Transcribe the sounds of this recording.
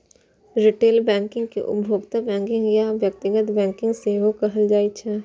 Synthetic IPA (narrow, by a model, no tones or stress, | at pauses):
ɾɪʈeːlbɛ̃ːŋkɪ̃ŋɡkḛʔʊ̰bʱjoːɡt̪abɛ̃ːŋkɪ̃ŋɡjaʋjɐk̚t̪ɪɡət̪bɛ̃ːŋkɪ̃ŋɡseɦokɐɦəld͡ʒaːit͡ʃʰɛ